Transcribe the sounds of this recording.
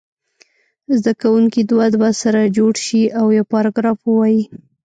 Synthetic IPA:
zd̪akawuŋkid̪wad̪wasaɾad͡ʒoɽʃiawjawpɑɾɑɡɾɑfwəwɑji

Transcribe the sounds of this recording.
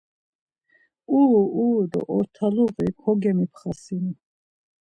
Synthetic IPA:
uuːd̪ɔ̰ʔɔɾt̪ʰaluʁikʰɔɡɛmipʰχasini

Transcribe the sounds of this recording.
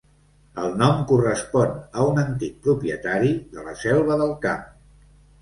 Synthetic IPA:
əlˠnɔmkurəspɔnəunənt̪ik̚pɾupjət̪aɾiðələ̰sɛlˠβəðəlˠkap

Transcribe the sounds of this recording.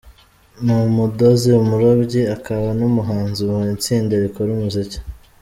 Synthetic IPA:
numudo̞ziumuɾobɟiakaβanumuɦaːnziwoit͡siːndeβikoɾumuzicḁ

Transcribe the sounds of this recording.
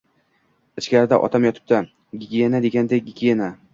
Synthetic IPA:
ɪt͡ʃkʲaɾɪd̪a̰ʔɒ̰t̪ʰamjɒt̪ʰɪ̥p̚t̪ʰa | ɡʲiɡʲijenad̪e̞ɡʲand̪ejɡʲiɡʲiena

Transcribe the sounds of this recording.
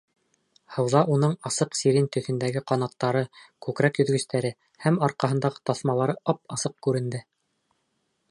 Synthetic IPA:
hɤ̆wðɑʔunɤɴɑsɤqsiɾint̪ɵ̆θɘ̆nd̪æɡɘqɑnɑt̪ːɑɾɤkʉkɾækjɵ̆ðɡɵ̆st̪æɾɘ | hæmɑɾqɑɦɤ̆nd̪ɑʁɤ̥t̪ɑθmɑlˠɑɾɤʔɑp̚ɑsɤq̚kʉɾɘ̆nd̪ɘ

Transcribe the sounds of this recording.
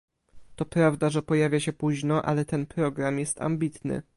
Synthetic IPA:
t̪ɔpɾavd̪aʐɛpɔjavʲjaɕɛpuʑnɔʔa̰lɛt̪ɛnpɾɔɡɾamjɛst̪a̰mbʲit̪nɘ̰

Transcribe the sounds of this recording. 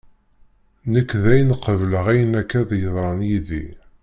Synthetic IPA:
nəkːðæjnqəvləʁæjənækːæðjəðˤɾˤɑnjiðḭ

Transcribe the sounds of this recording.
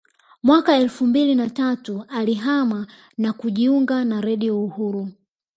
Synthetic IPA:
mwakaɛlfumbilinatatualiɦama | nakuʄiuŋɡanaɾɛɗiɔuhuɾu

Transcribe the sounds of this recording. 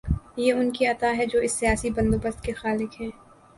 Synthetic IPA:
jeːʊnkiɐt̪aɦɛd͡ʒoːɪsːijaːsibɐ̃nd̪oːbəst̪kexaːlɪkɦɛ̃ː

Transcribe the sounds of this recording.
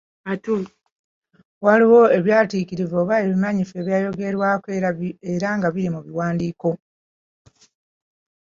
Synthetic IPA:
atu | waliwo̞e̞βjaːtikiɾivoːβae̞βimaɲife̞βjaːjo̞ɡe̞ɾwakeɾaeɾaŋɡaβiɾimuβiwaːndiːko̞

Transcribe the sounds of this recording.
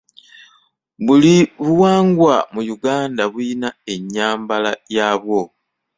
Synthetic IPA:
βuliβuwaːŋɡwamujuɡaːndaβuinae̞ɲːaːmbalajaːβo̞

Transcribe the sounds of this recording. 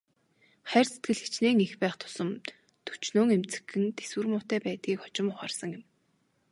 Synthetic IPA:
χæːrset̪̚ɡɘ̆ɮxi̥t͡ɕneːŋixpæːχt̪ʰʊ̥sə̆m | t̪ʰɵ̥t͡ɕnoːŋemt͡sɘ̥̆xɘ̆nt̪ʰeswɘ̆rmʊːt̪æːpæːt̪̚ɡiːkɔ̥t͡ɕɪ̆mʊχaːrsə̆ŋjɪ̆m

